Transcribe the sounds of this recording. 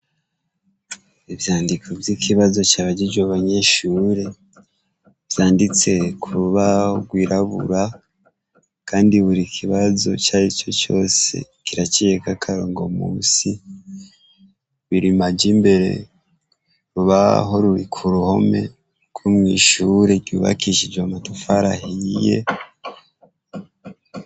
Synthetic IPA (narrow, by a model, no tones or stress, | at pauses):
ivjaːndikʰovjikʰiβazo̞t͡ʃaːβaɟid͡ʒwaβaɲe̞ʃuːɾe | v̥jaːndit͡se̞kʰuɾuβaoɡwiːɾaβṵɾa | kʰaːndiβuɾikʰiβazo̞̰t͡ʃaːɾit͡ʃo̞t͡ʃo̞̰ːse̞̰kiɾat͡ʃijekakʰaɾoːŋɡo̞muːsi | βiɾimad͡ʒimbe̞ɾe̞̰ | ɾuβaɦo̞ɾuɾikʰuɾuho̞me̞̰ | ɡ̥wumŋḭːʃuːɾe̞ɾɟuːβa̰kiʃid͡ʒwamatufaɾahije̞̰